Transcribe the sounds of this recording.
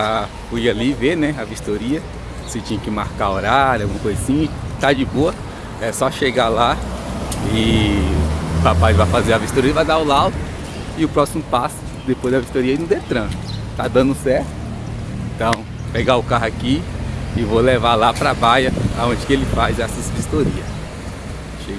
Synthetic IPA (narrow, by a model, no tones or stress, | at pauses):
a | fuialiveɾnɛavist̪oɾiɐ | sɪt͡ʃĩɲɐkɪmaɾkaoɾaɾawɡũmɐkojzɐsĩɲt̪ad͡ʒɪboɐ | ɛsɔʃeɡala | ɪ | papajvajfazeɾɐviʃt̪oɾiɐvajd̪aʊlawd̪ʊ | ɪʊpɾɔsimʊpasʊ̥ | d̪epojzd̪ɐvist̪oɾiɐinũd̪et̪ɾɐ̃nʊt̪ad̪ɐ̃nd̪ʊsɛɾt̪ʊ | ẽt̪ɐ̃w̃ | peɡaʊkaɦakiɪvolevalapɾabajɐaõd͡ʒɪkɪelɪfajzɛsɐzvist̪oɾiɐ | ʃeɡ